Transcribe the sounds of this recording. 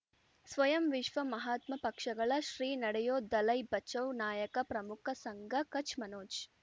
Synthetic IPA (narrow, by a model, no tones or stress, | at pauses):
sʋɐjɐmʋiʃʋɐmɐɦaːt̪mɐpɐkʂɐɡɐɭɐʃɾiːnɐɽɛjoːd̪ɐlɐjbɐt͡ʃːɐwnaːjɐkɐpɾɐmukʰɐsɐŋɡɐkɐt͡ʃʰmɐnoːt͡ʃ